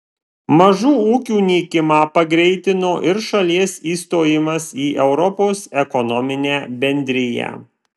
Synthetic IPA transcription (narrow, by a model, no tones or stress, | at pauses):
mɐʒuːuːkʲuːnʲiːkʲɪmɑːpɐɡɾʲɛɪt̪ʲɪnoːʔɪɾʃɐlʲiɛsiːst̪oːjɪmɐsiːʔɛʊɾɔpoːsɛkɔnɔmʲɪnʲæːbʲɛnʲd̪ʲɾʲɪjæ̰ː